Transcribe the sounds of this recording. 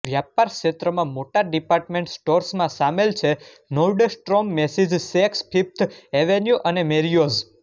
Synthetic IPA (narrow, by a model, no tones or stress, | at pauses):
ʋjapaɾkʃet̪ɾəmãmoʈaɖipaɾʈmẽɳʈsʈoɾsmãsamelt͡ʃʰe | noɾɖsʈɾomːesid͡ʒsekspʰipt̪ʰeʋenjuʔənemeɾijoz